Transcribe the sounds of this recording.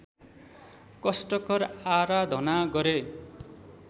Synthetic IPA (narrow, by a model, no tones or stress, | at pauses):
kʌsʈʌkʌraɾad̪ʱʌnaɡʌɾe